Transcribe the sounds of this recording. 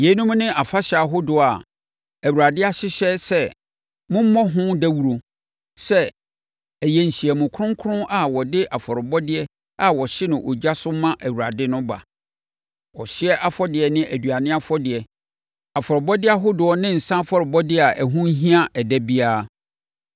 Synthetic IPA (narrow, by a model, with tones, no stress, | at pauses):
je˨˦nũ˦m˦nɪ̃˦ʔa˨fa˦ɕa˨ɦʊ˦dʊ˨a˨ | æ˨wu˨ɾa˨dɪ˦a˦ɕɪ˦ɕɛ˦sɛ˦ | mʊ̃˦m̩˦mɔ̃˦ɦʊ̃˦dæ˦wu˨ɾo˨ | sɛ˦ | æ˨jɛ˨ɲ̩˨ɕi˨ɛ˨mʊ̃˨kʰʊ˦ʊ̃˦ŋ˦kʰʊ˦ʊ̃˦ʔa˨wɔ˨dɪ˦ʔa˨fɔ˨ɾɪ˨bɔ˦dɪ˨˦ɛ˦ | a˨wɔ˨ɕɪ˦nʊ̃˨ʔɔ̰˨d͡ʑa˦sʊ˦mã˦ʔæ˨wu˨a˨dɪ˦nʊ̃˦ba̰˨ | wɔ˨ɕɪ˦ɛ˦ʔa˦fɔ˦dɪ˨ɛ˨nɪ̃˦æ˨dɥa˨nɪ̃˦a˦fɔ˦dɪ˨ɛ˨ | a˨fɔ˨ɾɪ˨bɔ˦dɪ˦a˦ɦʊ˦dʊ˨ɔ˦nɪ̃˦n̩˨sã˦fɔ˦ɾɪ˨bɔ˦dɪ˦˨a˨ʔæ˨ɦũ˦ɦĩ˦a˦ʔɛ˨dɛ˦bi˦aː˦˨˦